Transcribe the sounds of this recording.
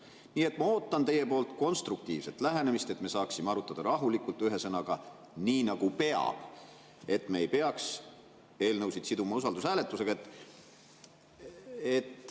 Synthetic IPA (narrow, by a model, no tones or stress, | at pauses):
niːe̞t̪ːˑmɑo̞ːt̪ːˑɑnt̪e̞je̞po̞ːlt̪ˑko̞nst̪ruk̚t̪ḭːv̥se̞t̪ːˑlæɦenemist̪e̞t̪me̞sɑːksimeɑɾut̪ːˑɑd̪̥ɑɾɑɦulikˑult̪ːˑyɦe̞sɤnɑɡ̥ɑ | niːnɑɡ̥upe̞ɑ̰b̥ | e̞t̪ːˑmeejpe̞ɑks | e̞ːlnɤwsid̪sid̪umɑusɑld̪usæːle̞t̪ːˑuse̞ɡ̥ɑet̪ːˑ | et̪ː